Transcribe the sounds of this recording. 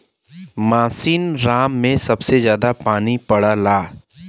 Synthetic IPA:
maːsiːnɾaːmːẽsɐbsezjaːd̪apaːnipɐɽalaː

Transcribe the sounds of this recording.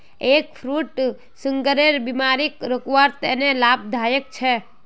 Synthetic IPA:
ekfʰɾuʈ | səŋɡəɾeɾbimaɾikɾəkʋaɾt̪enelab̚d̪ʱajək̚t͡ʃʰe

